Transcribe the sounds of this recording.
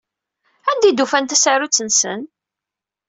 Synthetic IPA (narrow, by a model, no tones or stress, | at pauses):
ænd̪id̪ufænt̪æsaɾut͡sːənsə̰n